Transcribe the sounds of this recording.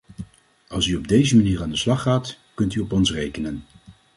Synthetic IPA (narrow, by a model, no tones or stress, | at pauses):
ɑlˠsyɔb̚dejzəmaniːraːndəslɑχːaːt | kɵntyɔpɔnsrejkənən